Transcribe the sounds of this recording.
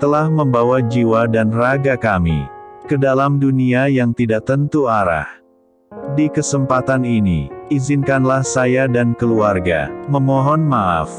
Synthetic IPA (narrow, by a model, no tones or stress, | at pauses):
t̪əlahməmbawad͡ʒiwadanraɡakamḭkədalamduniajaŋt̪idaʔ̚t̪ənt̪uaɾa̰h | dikəsəmpat̪aninḭizɪnkanlahsajadankəluarɡa̰məmɔɦɔnmaa̰f